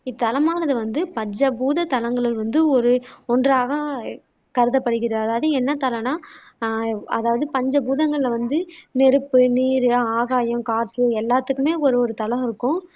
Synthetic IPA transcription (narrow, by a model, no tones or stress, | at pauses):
ɪt̪ːɐlɐmaːnɐðɯʋɐnd̪ɯpɐɲd͡ʒɐbuːðɐt̪ɐlɐŋɡɐɭɪlʋɐnd̪ɯɔɾɯɔndraːɣɐ | kɐɾɯðɐpːɐɽɯɣɪɾɐðɯɐðaːʋɐðɯɛnːɐt̪ɐlɐnaː | ɐ̰ðaːʋɐðɯpɐɲd͡ʒɐbuːðɐŋɡɐɭɪlɐʋɐnd̪ɯnɛɾɯpːɯniːɾɯaːɣaːjɐmkaːʈ̪ːɯɛlːaːt̪ːɯkːɯmeːɔɾɯɔɾɯt̪ɐlɐ̃mɪɾɯkːʊ̃